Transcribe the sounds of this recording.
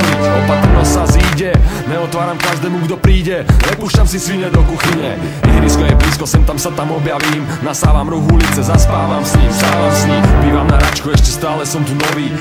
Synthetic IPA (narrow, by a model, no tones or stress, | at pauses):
lit͡sɔpat̪rnɔsaziːɟɛɲɛɔt̪ʋaːɾamkaʒd̪ɛːmuɡd̪ɔpɾiːɟɛnɛpuːʃcamsisʋiɲɛd̪ɔkuxiɲɛ | jɛɦɾiskɔjɛpliːskɔsɛmt̪amsat̪amɔbjaʋiːm | nast̪aːʋamɾuɣulit͡sɛzaspaːʋamsisaasɲibiːʋamnaɾat͡ʃkuɛʃcɛst̪aːlɛsɔmt̪unɔʋiː